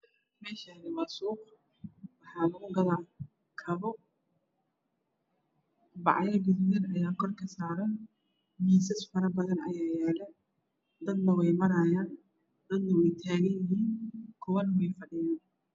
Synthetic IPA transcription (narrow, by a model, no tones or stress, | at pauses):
mɛːʃanɪwɑsuːq | wɑħɑːlʊɣʊɡɐðaː | kʰɐβɔ | bɑ̰ʕjɐɡɪddɐnɐjaːkʰɔrkʰɐsaːɾɐn | miːsɐsfɐɾɐbɐðɐnɐ̰jaːjɛːlɛ | d̪ɐd̪nɐwɛjmɐɾɐjaːn | d̪ɐd̪nɐwɛjt̪ʰaːɣɐnjɪɦiːnkʰʊwɐnɐwɛjfɐɖɪjaːn